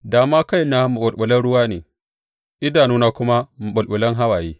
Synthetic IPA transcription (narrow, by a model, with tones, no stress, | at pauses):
daː˨maː˦ka˦jnaː˦mu˨ɓʊ˨lɓʊ˨lɐ˦nɽʊ˦waː˦neː˨ | ʔɪ˦daː˨nuː˦naː˦kʷʊ˦ma˦mu˨ɓʊ˨lɓʊ˨lɐ˦ŋɦa˦waː˨jeː˦